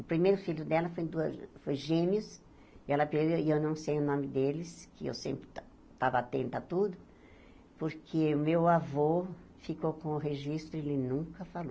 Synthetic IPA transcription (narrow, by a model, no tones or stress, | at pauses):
ʊpɾimejɾʊfilʊd̪ɛlɐfojd̪uɐsfojʒẽmiʊs | iɛlɐpeewiewnɐ̃w̃sejʊnõmɪd̪elɪskʰɪḛwsḛ̃mpɾɪ | t̪avɐat̪ḛ̃nt̪ʊat̪ud̪ʊ | poɾkʰeʊmewavo | fikokõʊɦeʒist̪ɾʊelɪnũŋkɐfalo